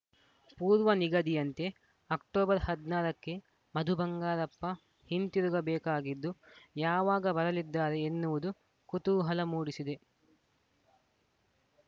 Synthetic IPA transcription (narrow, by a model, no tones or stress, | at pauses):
puːɾʋɐniɡɐd̪ijɐnt̪e̞ | ɐk̚ʈoːbɐɾhɐd̪naːɾɐkːe̞ | mɐd̪ʱubɐŋɡaːɾɐpːɐ | hint̪iɾuɡɐbɛːkaːɡid̪ːujaːʋaːɡɐbɐɾɐlid̪ːaːɾeːnːuʋud̪u | kut̪uːɦɐlɐmuːɽisid̪e̞